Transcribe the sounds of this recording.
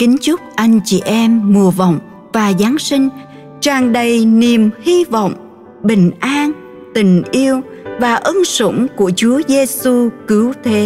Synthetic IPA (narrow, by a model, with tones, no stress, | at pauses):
kï˨˦ŋ̟t͡ɕʊ˦˥k͡p̚ʔa˧jŋ̟t͡ɕḭ˧˩ʔɛ˧mːu˨˩əvə̰˧˨wŋ͡m | vaː˨˩zaː˨˦nsï˧ŋ̟ | t͡ɕaː˨˩ŋɗə˨˩jni˨˩əmhi˧vɔ̰˧˨wŋ͡m | ɓï˨˩ŋ̟ʔaː˧ŋ | t̪ï˨˩ŋ̟ʔi˧əwvaː˨˩ʔə˧nsʊ̰˧˩ŋ͡mku˧˩ət͡ɕu˨˦əze˧su˧kɨ˨˦wt̪ʰe˨˦